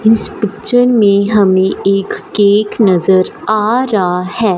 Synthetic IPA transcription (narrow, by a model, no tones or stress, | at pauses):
ɪspɪtːt͡ʃəɾmẽɦɐmẽeːkːeːknɐzəɾaːɾahɛː